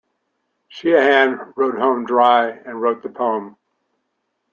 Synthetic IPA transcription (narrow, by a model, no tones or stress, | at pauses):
ʃiɨhæ̃nɹoʊd̚hõʊ̃mdɹaɪɨ̃nɹoʊt̪̚ðɨpʰõʊə̃m